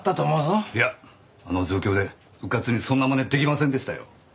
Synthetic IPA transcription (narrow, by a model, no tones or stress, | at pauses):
t̪ːat̪oːmozoija | ano̞d͡ʑo̞ːkʲo̞ːd̪e̞ | ɸɯ̟kat͡sɨɲ̟isõ̞nːamoned̪e̞kʲimasẽnd̪e̞ɕi̥t̪ajo̰